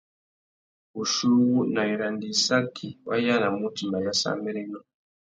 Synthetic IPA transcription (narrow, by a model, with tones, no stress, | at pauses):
u˨ʃu˦wu˦na˨i˨ɾa˨ndi˨sa˦kʰi˨wa̰˦ja˦na˨mu˦ti˨ma˨ja˦sa̰˦mɛ˦ɾe˦nɔ˦